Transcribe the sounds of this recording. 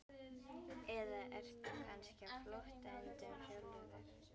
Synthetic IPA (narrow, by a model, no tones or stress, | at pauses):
ɛðaʔɛɾ̥t̪ukʰanscɪafloht̪aɛnt̪ɪmhœɣlʏðaɾ̥